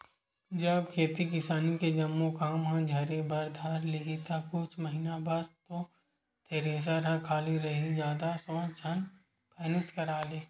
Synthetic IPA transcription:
d͡ʒɐbkʰeːt̪ikɪsaːniked͡ʒɐmːokaːmɦãd͡ʒʱɐɾebɐɾd̪ʱaːɾlɪɦit̪akʊt͡ʃʰməɦɪnabaːst̪o | t̪ʰeːɾeːs̬aɾɐkʰaːliɾɐɦid͡ʒjaːd̪asɔ̃ːt͡ʃʰɐn | pɛːnɪskɐɾaːleː

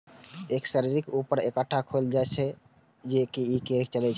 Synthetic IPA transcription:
eksəɾiɾikupəɾekəʈʰːakʰoeld͡ʒaet͡ʃʰɛ | d͡ʒekiikeɾkt͡ʃəlɛt͡ʃʰɛ

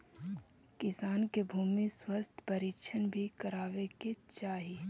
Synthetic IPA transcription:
kɪsaːnkebʱuːmiswəst̪ʰpəɾikʃʰənbʱikəɾaːʋeket͡ʃaːɦi

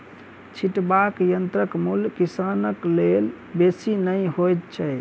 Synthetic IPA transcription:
t͡ʃʰiʈbakjənt̪ɾəkmulkisanəklel | besinəjɦojt̪t͡ʃʰə

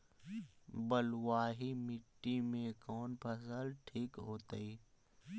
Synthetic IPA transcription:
bəlwaːɦimɪʈːimẽkɔːnpʰəsəlʈʰiːkɦoːt̪iː

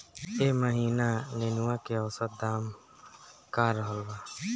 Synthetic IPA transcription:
eːməɦiːnanenuakeɔwsət̪̚d̪aːm | kaːɾəɦəlbaː

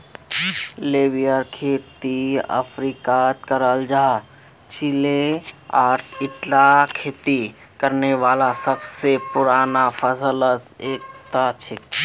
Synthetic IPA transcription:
leʋijəɾkʰeːt̪iə̰pʰɾikat̪kəɾəld͡ʒaɦ | t͡ʃileaːʈʰɪʈlakʰeːt̪i | kəɾneʋaːlasəbsepʊɾaːnapʰəsələseːk̚t̪at͡ʃʰe

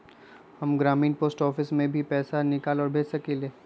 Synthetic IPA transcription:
hɐmɡɾaːmiːnpoːsʈɔːfɪsmẽbʱipɛːsanɪkaːlɔːɾbʱeːd͡ʒsɐkileː

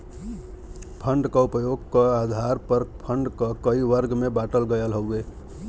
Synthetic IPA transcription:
pʰəɳɖkəupjoɡkəad̪ʱaɾpəɾpʰəɳɖkəkəiʋəɾɡmebaʈəlɡəjəlɦəwe

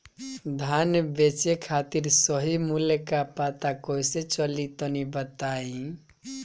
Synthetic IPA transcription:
d̪ʱanbet͡ʃekʰat̪iɾsɔɦimulekapat̪akojset͡ʃɔlit̪ɔnibət̪aĩ

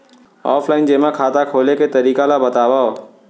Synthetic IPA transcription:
ɔ̰ːfʰlaːɪnd͡ʑeːmãkʰaːt̪akʰoːlekʰeːt̪ɐɾiːkalabɐt̪aːʋaoː

